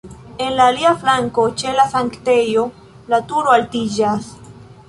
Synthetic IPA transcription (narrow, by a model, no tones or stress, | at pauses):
e̞nlaːliaflaŋko̞t͡ʃe̞lasaŋktejo̞ | latuɾoaltid͡ʒas